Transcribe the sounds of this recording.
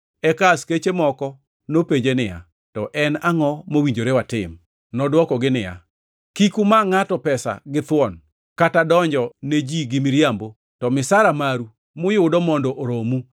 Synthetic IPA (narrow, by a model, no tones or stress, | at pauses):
ɛkasket͡ʃemɔkɔ | nopeɲd͡ʒenɪja̰ | tɔʔɛnaŋɔmowiɲd͡ʒoɾewatɪm | nɔdwɔkɔɡɪnɪja̰ | kikumaŋatɔpɛsa̰ɡɪt̪wɔn | katadɔɲd͡ʒɔned͡ʒiɡɪmɪɾjambo | tɔmɪsaɾamaɾu | mʊjʊdɔmɔndɔʔoɾomu